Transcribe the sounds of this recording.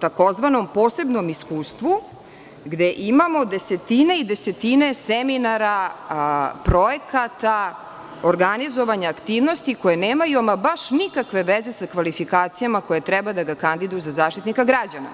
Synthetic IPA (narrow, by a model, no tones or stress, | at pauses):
t̪ako̞zʋano̞mpo̞ːse̞bno̞miskuːst̪ʋu | ɡd̪e̞ʔimamo̞d̪e̞se̞t̪ineid̪e̞se̞t̪ineseminaɾa | pɾo̞je̞kat̪a | oɾɡanizo̞ʋaɲaːkt̪iːʋno̞st̪iko̞jeneːmajuamabaʃnikakʋe̞ʋeze̞sakʋalifikaːt̪sijamako̞jet̪ɾɛbad̪aɡakand̪id̪ujuzazaːʃt̪it̪nikaɡɾad͡ʑana̰